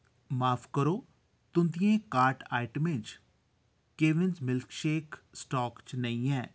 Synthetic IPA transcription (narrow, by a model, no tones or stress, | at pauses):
maːpʰkəɾoː | t̪ʊnd̪ɪjẽːkaːɾʈaːɪʈəmɪ̃d͡ʒ | keːʋɪnzmɪlkʃeːksʈɔːkt͡ʃnəĩɛː